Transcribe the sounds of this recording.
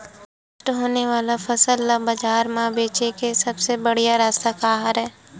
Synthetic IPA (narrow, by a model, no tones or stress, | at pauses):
ɐʃʈɦoːneʋaːlafɐsəlːabɐd͡ʒaːɾmãbeːt͡ʃekesɐbsebɐɽijaɾaːst̪akaːɦaɾɦɛː